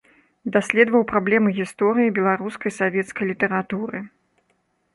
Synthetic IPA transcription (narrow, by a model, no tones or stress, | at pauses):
d̪asʲlʲɛd̪vɐwpɾablʲɛmɨɣʲist̪ɔɾɨjibʲɛlˠaɾuskɐjsavʲɛt̪skɐjlʲit̪ɛɾat̪uɾɨ